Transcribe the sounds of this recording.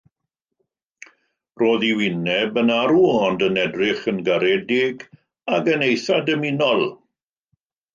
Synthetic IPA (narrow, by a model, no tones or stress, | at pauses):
roːðiwɪnɛbənaɾuɔndənɛdrɪχənɡaɾɛdɪɡ | aɡənejθadəmɪnɔlˠ